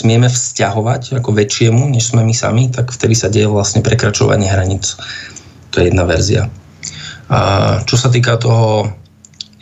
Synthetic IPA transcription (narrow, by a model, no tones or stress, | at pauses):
smɪɛmɛfscaɦɔʋacakɔʋɛt͡ʃɪɛmuɲɛʃz̥mɛmisa̰mit̪akft̪ɛd̪isaɟɛjɛʋlasɲɛpɾɛkɾat͡ʃɔ̰ʋa̰ɲɪɛɦɾaɲit͡s | t̪ɔjɛjɛd̪naʋɛɾzia̰ | t͡ʃɔsat̪̬iːkat̪ɔɦɔ